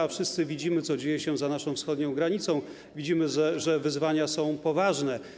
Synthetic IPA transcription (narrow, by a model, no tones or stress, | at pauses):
afʂɘst̪sɘvʲid͡ʑimɘt̪ɔd͡ʑejɛɕɛzanaʂɔ̃w̃fsxɔd̪ɲɔ̃w̃ɡɾaɲit̪sɔ̃w̃ | vʲid͡ʑimɘʐɛʐɛvɘzvaɲasɔ̃w̃pɔvaʐnɛ